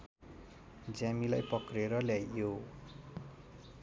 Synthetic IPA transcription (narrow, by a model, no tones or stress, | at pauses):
d͡zamilajpʌkreɾʌljajːo